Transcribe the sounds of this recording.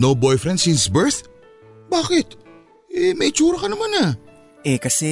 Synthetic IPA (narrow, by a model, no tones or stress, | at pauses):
nowbɔjfɾɛnsisbɛɹθ | baːkɪt̪ | ʔɛmɐʔɪt͡ʃuːɾɐkɐnɐmana | ʔɛkɐsɛ